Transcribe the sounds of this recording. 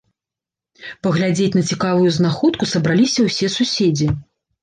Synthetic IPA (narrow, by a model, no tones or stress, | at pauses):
pɐɣlʲad͡zʲet͡sʲnɐt͡sʲikavujuznaxɔt̪kusɐbɾalʲisʲɐwsʲɛsusʲed͡zʲi